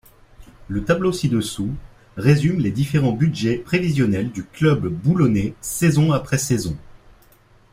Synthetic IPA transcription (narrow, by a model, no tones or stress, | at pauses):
lət̪ablosid̪əsu | ʁezymled̪ifeʁɑ̃bydʒɛpχevizjɔnɛld̪yklœbːulɔnesezɔ̃apχɛsezɔ̃